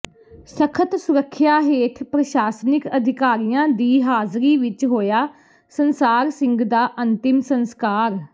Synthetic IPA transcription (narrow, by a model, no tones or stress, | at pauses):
səkʰət̪sʊɾəkʰːjaːɦeːt̪ʰpɾəʃaːsnɪkəd̪ʱɪkaːɾijãːd̪iːɦaːzɾiːʋɪt͡ʃɦoːjaː | sənsaːɾsɪ̃ŋɡd̪aːʔənt̪ɪmsənskaːɾ